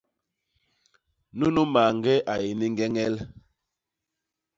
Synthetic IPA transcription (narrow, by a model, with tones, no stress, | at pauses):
nu˦nu˦ma˨ŋɡɛ˦ʔa˨je˨ni˦ŋ˦ɡɛ˦ŋɛ˦l